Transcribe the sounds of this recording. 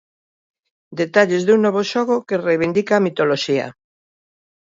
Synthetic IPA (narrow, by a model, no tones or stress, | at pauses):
d̪et̪aʎezðuŋnɔβ̞oʃɔɣokerejβind̪ikaːmit̪oloʃiɐ̰